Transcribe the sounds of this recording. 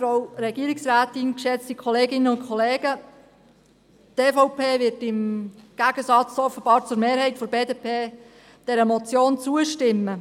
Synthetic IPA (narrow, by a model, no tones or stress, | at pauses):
fɾawɾɛɡ̥iəɾɪksræːt̪ɪnkʃɛt͡stikʰɔleːɡɪnəʊntkʰɔleːɡə | tefɔʊpʰeːvɪɾtɪmɡ̥æɡ̥əsɑt͡sɔfəb̥ɑːɾt͡sʊɾmeːɾhɛɪtfɔɾbeːdeːpʰeː | d̥ɛɾəmɔt͡sjoːnt͡suəʃtɪmːə